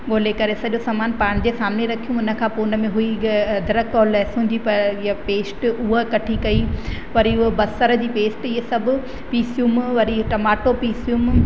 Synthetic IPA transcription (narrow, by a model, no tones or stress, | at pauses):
ɡoːlekɐɾesɐʄosaːmaːnpaːɽ̃d͡ʑesaːmneɾɐkʰijũʊnə̆kʰãːpoːʊnə̆mẽɦʊid̪ʱɐɾəkɔːlɛsʊ̃ːɲd͡ʑʱipɐɾɪɐpeːsʈʊɦəkɐʈʰikɐi | ʋɐɾiʊɦebɐsəɾə̆d͡ʑiːpeːsʈɪɦesɐbʱʊ̆ | piːsjumʋɐɾiʈɐmaːʈopiːsijum